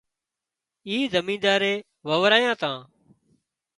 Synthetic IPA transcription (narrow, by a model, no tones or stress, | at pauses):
iːzəmĩːnd̪aːɾeː | ʋəʋɾaːjãːt̪ãː